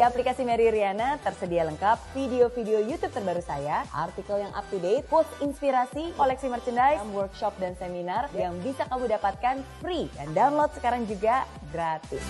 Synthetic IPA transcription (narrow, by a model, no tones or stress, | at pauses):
iaplikasimaɾiɾianat̪ərsədialəŋkap̚fideofideojut̪up̚t̪ərbaɾusajaʔa̰rt̪ikəljaŋʔa̰p̚t̪udeɪt̪̚pɔsinspiɾasikolɛksimərt͡ʃəndajmwərk̚ʃɔp̚danseminarjaŋbisakamudapat̪̚kanfɾida̰ndaunlot̪̚sə̥kaɾaŋd͡ʒuɡa | ɡɾat̪ɪs